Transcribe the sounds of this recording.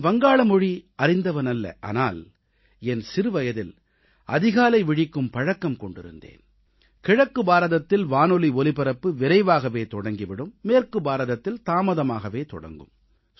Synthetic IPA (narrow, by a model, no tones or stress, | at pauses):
ʋɐŋɡaːɭɐmɔɻiɐɾɪnd̪ɐʋɐnɐlːɐ̰ʔa̰ːnaːl | ɛnsɪɾɯʋɐjɐðɪl | ɐ̰ðɪɣaːlɐɪʋɪɽɪkːɯmpɐɻɐkːɐmkɔɳɖɪ̰ɾɯ̰nd̪ḛːn | kɪɻɐkːɯbaːɾɐðɐt̪ːɪlʋaːnɔliɔlɪpɪɾɐpːɯʋɪɾɐɪʋaːɣɐʋeːt̪ɔɽɐŋɡɪʋɪɽɯmːeːrkɯbaːɾɐðɐt̪ːɪlt̪aːmɐðɐmaːɣɐʋeːt̪ɔ̰ɽɐ̰ŋɡɯ̰m